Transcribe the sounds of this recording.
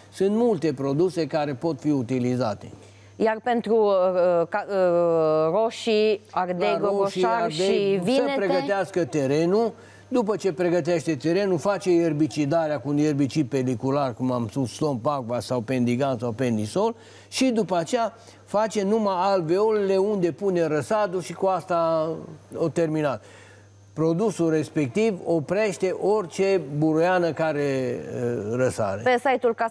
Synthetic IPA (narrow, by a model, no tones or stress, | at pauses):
sɨnt̪mult̪e̞pɾo̞d̪use̞kaɾe̞po̞t̪fiut̪ilizat̪e̞ | jarpe̞nt̪ɾuka | roʃiard̪eɡoʃiaevisəpɾeɡət̪easkət̪e̞ɾe̞nu | d̪upət͡ʃe̞pɾe̞ɡət̪̬eʃt̪e̞t̪e̞ɾe̞nufat͡ʃe̞jerbit͡ʃid̪aɾeakuunjerbit͡ʃipe̞likularkumamspusst̪o̞mpaɡ̚vasawpe̞nd̪iɡansawpe̞nd̪iso̞l | ʃid̪upəat͡ʃeja | fat͡ʃe̞numaalveolele̞und̪e̞pune̞ɾəsad̪uʃikuast̪a | ot̪e̞rminat̪ | pɾo̞d̪usulre̞spe̞k̚t̪ivo̞pɾe̞ʃt̪e̞ʔo̞rt͡ʃe̞buɾujanəkaɾe̞ | ɾəsa̰ɾeesajt̪ulka